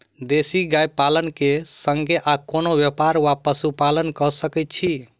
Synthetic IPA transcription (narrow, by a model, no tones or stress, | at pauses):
d̪esiɡajpalənkesəŋɡeʔakonoʋjəpaɾʋapəsupalənkəsəkɛt̪̚t͡ʃʰi